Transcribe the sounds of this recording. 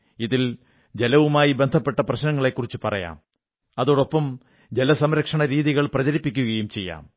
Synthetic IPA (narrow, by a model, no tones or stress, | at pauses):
iðil | d͡ʑe̞lɐʋumaːjibe̞nd̪ʱɐpːe̞ʈːɐprɐɕnɐŋːɐɭe̞kːurit͡ɕːɨpɐrɐja̰ːm | ɐðo̞ːɽo̞pːɐm | d͡ʑe̞lɐsɐmɾɐkʂɐɳɐɾiːðiɣɐɭprɐt͡ɕɐɾipːikʲːuɣɐjumt͡ɕe̞jːa̰ːm